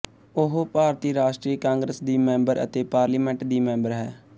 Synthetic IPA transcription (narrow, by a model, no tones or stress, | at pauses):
ʊɦpaːɾt̪iːɾaːʃʈɾiːəkãːŋɡɾəsd̪iːmɛ̃mbəɾə̰t̪eːpaːɾliːmɛ̃ɳʈd̪iːmɛ̃ːmbəɾɦɛː